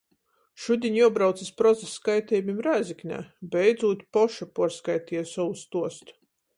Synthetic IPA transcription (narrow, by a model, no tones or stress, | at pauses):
ʃud̪ʲiɲjuɔbɾawt̪sispɾɔzeskajt̪ɛːjmʲimɾæːzikʲnʲæ̰ːbɛjd̪zuːt̪ʲpɔʃapuɔɾskajt̪ʲiːsɔwust̪uɔst̪u̥